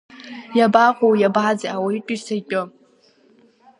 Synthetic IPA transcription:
jabaqʷʼowjabʕad͡zaʔawaitʼisakʼʊ

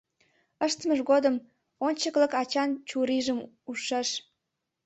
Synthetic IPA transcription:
əʃt̪əməʒɣod̪əm | onʲt͡ɕəkləkɑt͡ɕɑnt͡ɕuɾiʒəm | uʃeʃ

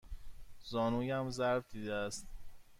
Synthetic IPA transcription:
zɒːnuːjæmzæɾvd̪iːd̪eæst̪

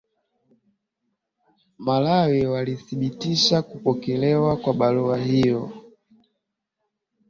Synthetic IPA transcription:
malawiwaliθiɓitiʃakupɔkɛlɛwakwaɓaluahijɔ

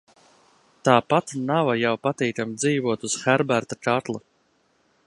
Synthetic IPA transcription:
t̪aːpat̪navajawpat̪iːt̪amd̪ziːvuɔt̪uz̥xæɾbæɾt̪at͡ʃat̪lˠu

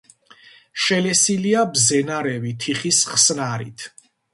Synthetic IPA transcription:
ʃɛlɛsiliabzɛnaɾɛvit̪ʰiχisχsnaɾḭt̪ʰ

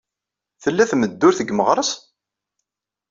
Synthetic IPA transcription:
θəlːæθməd̪ːʊɾθəɡməʁɾˤəs

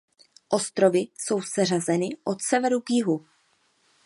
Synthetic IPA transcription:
ʔo̞st̪ɾo̞vɪso̞wsɛr̝azɛnɪʔo̞t̪sɛvɛɾuɡjɪɦu

